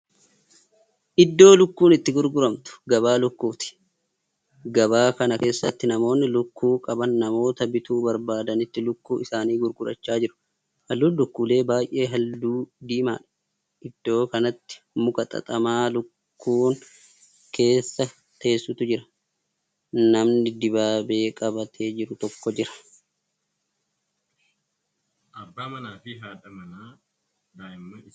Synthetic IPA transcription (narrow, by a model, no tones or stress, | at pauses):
ʔɪd̪ːo̞ːlʊkːuːnɪt̪ːɪɡʊɾɡʊɾɐmt̪ʊ̥ɡɐbaːlʊkːuːt̪ɪ̥ | ɡɐbaːkɐnɐke̞ːsːɐ̰t̪ːɪnɐmo̞ːnːɪlʊkːuːkʼɐbɐnːɐmo̞ːt̪ɐbɪt̪uːbɐɾbaːd̪ɐnɪt̪ːɪlʊkːuːɪsaːniːɡʊɾɡʊɾɐ̰t͡ʃːaːd͡ʒɪɾʊ̥ | hɐlːuːlʊkːuːle̞ːbaːjʔe̞ːɦɐld̪uːd̪iːma̰ːᶑɐ̥ | ʔɪd̪̥ːo̞ːkɐnɐt̪ːɪ̥ | mʊkɐt̪ʼɐ̰t̪ʼɐmaːlʊkːuːŋ | ke̞ːsːɐ | t̪eːsːʊt̪ʊd͡ʒɪɾɐ̥ | nɐmnɪd̪ɪbaːbe̞ːkʼɐbɐt̪ʰeːd͡ʒɪɾʊt̪ɔkːɔd͡ʒɪɾɐ̥ | ʔɐbːaːmɐnaːfɪɦaːᶑɐmɐnaː | daːɪmːɐɪ